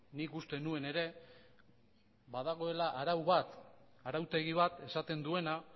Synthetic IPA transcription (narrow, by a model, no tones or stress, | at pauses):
nikust̪e̞nue̞ne̞ɾe̞ | βaðaɣ̞o̞e̞laʔaɾawβat̪ | aɾawt̪e̞ɣ̞iβ̞at̪e̞sat̪e̞nd̪ue̞na